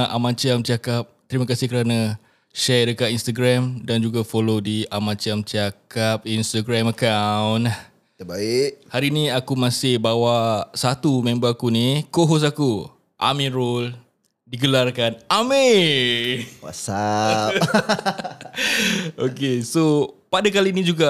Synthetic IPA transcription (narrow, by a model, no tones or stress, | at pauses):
ʔa̰mãt͡ʃamt͡ʃakap̚t̪əɾiməkasɪhkəɾanã | ʃɛrdəkaʔinst̪aɡɾamdand͡ʒuɡafolodiamãt͡ʃamt͡ʃakap̚inst̪aɡɾamakawnah | t̪əbaɪʔ̚haɾinĩakumãsɪhbawasat̪umẽmbaakunikoɦɔs̬aku | ʔa̰mĩnɾol | diɡəlarkaname | wa̰sap | okesopadakalinĩd͡ʒuɡa